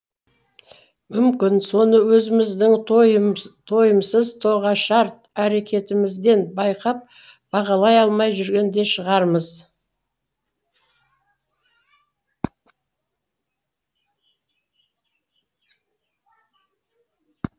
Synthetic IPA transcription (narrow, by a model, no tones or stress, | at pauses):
mʏmkʲɪnso̞nəwɵzɪmɪzd̪ɪŋ | t̪ʰo̞jəmsəzt̪ʰo̞ʁɑʃɑɾt̪̚æɾe̞kʲe̞t̪ɪmɪzd̪e̞nbɑjqɑp̚ | b̥ɑʁɑlˠɑjɑlˠmɑjʒʏɾɡʲe̞nd̪e̞ʃəʁɑɾməz